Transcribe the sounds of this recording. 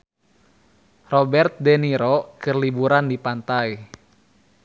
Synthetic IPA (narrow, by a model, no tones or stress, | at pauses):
rɔbɛrt̪̚dɛniɾɔkɨrlibuɾandipant̪ai